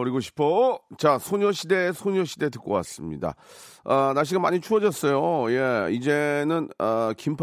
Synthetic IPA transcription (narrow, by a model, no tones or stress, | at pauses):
ʌɾiɡoɕʰi̥pʰot͡ɕasʰoɲoɕʰide̞sʰoɲoɕʰide̞tɯk͈owa̰s͈ɯmɲḭda̰ʌnaɕ̬ʰiɡama̰ɲit͡ɕʰuʌd͡ʑʌs͈ʌjoje̞id͡ʑe̞nɯnʌkimpʰ